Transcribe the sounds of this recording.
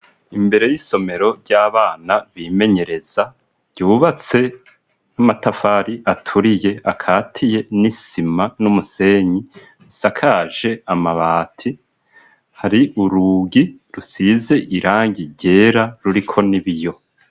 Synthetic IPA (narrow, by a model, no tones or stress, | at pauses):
imbe̞ɾe̞jiso̞me̞ɾo̞ɾɟaːβaːnaβime̞ɲe̞ɾe̞z̥ḁ | ɟ̥uːβat͡se̞ | namatafaːɾiʔatʰuɾije̞ʔakʰaːtʰije̞nisimanumuse̞ːɲi | ɾisakʰaːʒe̞amaβaːtʰi | haɾiʔuɾuɡiɾusize̞ʔiɾaːŋɡiɟe̞ːɾaɾuɾikʰo̞niβijo̞